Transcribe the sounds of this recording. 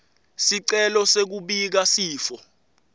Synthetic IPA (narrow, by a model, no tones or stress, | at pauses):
siǀɛlɔsek̬uɓik̬asiːfɔ